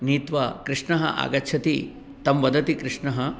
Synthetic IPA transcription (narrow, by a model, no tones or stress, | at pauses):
niːt̪ʋɐkɾɪʂɳɐɦɐ̰ʔa̰ːɡɐtːt͡ʃʰɐt̪i | t̪ɐmʋɐd̪ɐt̪ikɾɪʂɳɐɦɐ